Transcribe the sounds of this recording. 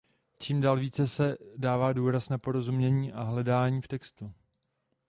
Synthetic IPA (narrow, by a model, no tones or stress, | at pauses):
t͡ʃiːmdaːlviːt͡sɛsɛdaːvaːduːɾasnapo̞ɾo̞zumɲɛɲiːʔaɦlɛdaːɲiːft̪ɛkst̪u